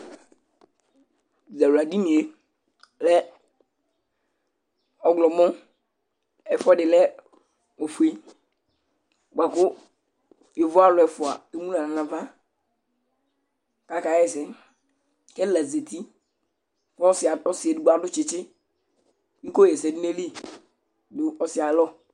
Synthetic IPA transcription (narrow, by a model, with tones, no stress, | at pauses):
za˨wu˨a˨di˦mĩ˨e˨ | lɛ˦ | ɔ˨ɡlɔ˨mɔ̃˦ | ɛ˨fɔ˦dɪ˨lɛ˦ | o˨fu˨i˦ | ɡ͡ba˨kʊ˦ | ɪ˨vɔ˦a˦lʊ˨ɛ˨fʊ˨a̰˨e˦mũ˦la˨nã˨nã˨va˦ | ka˨ka˨˦ɛ˨sɪ˨ | kɛ˦lɛ˨ze˨t̪i˦ | kɔ˦ɔ˦sɪ˨a˨tɔ˦sɪ˨ɛ˨dʊ˨ɡ͡ba˨dʊ˦t͡ʃɪ˨t͡ʃɪ˦ | ŋ̩˦ko˦jɛ˨sɛ˨dɪ˦ne˦li˦ | dʊ˦ɔ˨sɪ˨a˨˦lɔ˦